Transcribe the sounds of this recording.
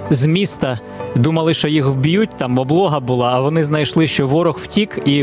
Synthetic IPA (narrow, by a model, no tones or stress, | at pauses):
zmʲist̪ɐ | d̪umɐlˠɪʃt͡ʃɔjixwbʲijut̚ʲt̪ɑmɔblˠɔɦɐbʊlˠɑːʋɔnɪznɐjʃlˠɪʃt͡ʃɔʋɔɾɔxw̥tʲiki